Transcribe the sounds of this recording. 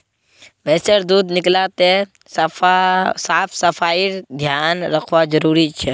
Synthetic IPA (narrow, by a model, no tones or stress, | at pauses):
ʋɛːsəɾd̪uːd̪nɪklat̪e | saːpʰsəpʰaːiɾd̪ʱjaːnɾəkʰʋad͡ʒəɾuːɾit͡ʃʰɛ